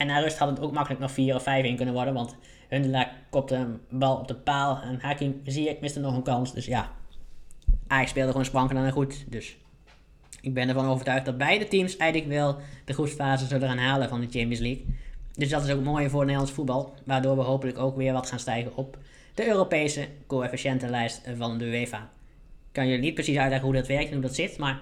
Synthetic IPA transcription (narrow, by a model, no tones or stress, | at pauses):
ʔɛnːaːrøsthɑtətoːk̚mɑkələknɔxfiːrɔfɛjfɪnkɵnənʋɔɹdənʋɑnt | høndəlakkɔp̚təbɛlˠɔp̚dəpaːlˠɛnhakɪŋziəɪkmɪstənɔxənkɑnsdøsja | ʔaːkspeːlˠdəɣoːnsprɑŋkənanəχutdøs | ɪɡ̚bɛnərvɑnoːvərtœɥxtdɑt̚bɛjdətimsɛjdələkʋɪlˠd̥əχutsfaːzəzøləxaːnɦaːləvɔndət͡ʃɛmpislikdøsdɔtɪsowkətmoːjəvʊːdənelˠɑnsə̥fut̚bɑlˠʋaːɹdoːɹʋəɦowpənləkoːkʋɪːʋɔtxaːnstɛjɣənɔp̚ | d̥əøːropeːsəkoːɛfiʃɛntəlɛjstvɔndəʋeːfa | kɑnjølinit̚prəsisœɥtlɛɣəhudɑtʋɛrktɛnudɔtsɪtmaɹ